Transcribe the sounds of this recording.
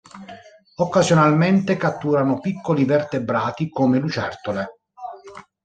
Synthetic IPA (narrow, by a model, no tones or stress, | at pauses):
okːazjonalment̪ekat̪ːuːɾanopikːolivert̪ebɾaːt̪ikomelut͡ʃɛrt̪ole